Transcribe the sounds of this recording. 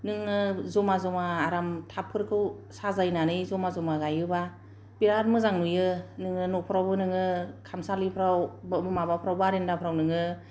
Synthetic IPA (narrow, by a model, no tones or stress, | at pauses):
nɯŋɯzɔmazɔmaːɾamtʰapʰːɯɾkʰɯw | sazajnanɯjzɔmazɔmaɡajɯba | biɾatmɯzaŋnujɯnɯŋɯnɔpʰɾawbɯnɯŋɯkʰamsalipʰɾawbbɯmabapʰɾawbaɾendapʰɾawnɯŋɯ